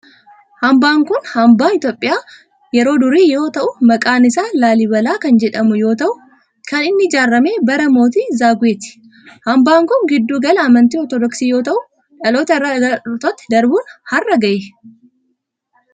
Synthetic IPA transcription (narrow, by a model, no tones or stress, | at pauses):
hɐmbaːŋkʊnhɐmbaːɪt̪jo̞ːpʼːɪjaː | jɛɾo̞ːd̪ʊɾiːjo̞ːt̪ɐʔʊmɐkʼaːnɪsaːlaːlɪbɐlaːkɐnd͡ʒɛᶑɐmʊjo̞ːt̪ɐʔʊ | kɐnɪnːɪd͡ʒaːrːɐme̞ːbɐɾɐmo̞ːt̪iːzaːɡʊeːt̪ɪ̥ | hɐmbaːŋkʊŋɡɪd̪ːuːɡɐlɐɐmɐnt̪iːɔɾt̪ɔd̪ɔksiːjo̞ːt̪ɐʔʊ | ᶑɐloːt̪ɐːɐɐt̪ot̪ːɪ̥d̪ɐɾbʊnhɐrːɐɡɐjɛ